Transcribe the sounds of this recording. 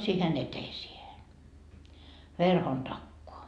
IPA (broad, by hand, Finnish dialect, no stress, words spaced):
siːhen eteisiehe ʋerhon tɑkːoɑ